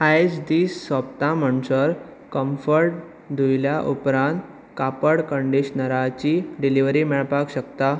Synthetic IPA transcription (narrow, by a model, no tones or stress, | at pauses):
ajesd̪iːsːʋəp̚t̪ãm̤əɳsəɾ | kəmfəɾʈ̚ | d̪ʱujljaʔupɾãnt̪ | kapəɽkəɳɖiɕnəɾat͡ɕiɖiliʋɾimɛɭpakɕəkt̪a